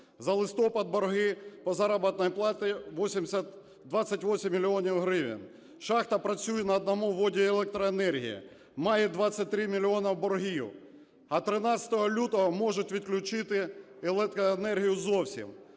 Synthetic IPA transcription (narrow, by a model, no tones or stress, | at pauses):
zɐlˠɪst̪ɔpɐd̪̚bɔrɦɪpɔzɑɾɐbɐt̪nɔjplˠɑt̪ɪʋɔsʲimsʲɐt̪ | d̪ʋɑt̪sʲːɐtʲʋɔsʲimʲːilʲɪɔnʲiwɦɾɪʋʲɪ̰n | ʃɑxt̪ɐpɾɐt͡sʲujɛnɐːd̪nɐmuʋɔdʲielˠɛk̚t̪ɾɔenɛrɦʲḭjḭ | mɑjɛd̪ʋɑt̪sʲːɐt̚ʲt̪ɾɪmʲilʲɪɔnɐwbɔrɦʲijʊ̰ | ɐt̪ɾɪnɑsʲɐ̥t̪ɔɦɔlʲut̪ɔɦɔmɔʒʊtʲʋʲid̪klʲʊt͡ʃɪt̪ɪelˠɛt̪ɾɔenɛrɦʲijʊzɔwsʲḭm